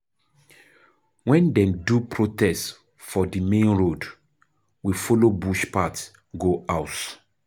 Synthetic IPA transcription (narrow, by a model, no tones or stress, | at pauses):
wɛ̃ndɛ̃mdupɹotɛst | fɔdimẽnɹod | wifɔlobuʃpat | ɡoʔaʊt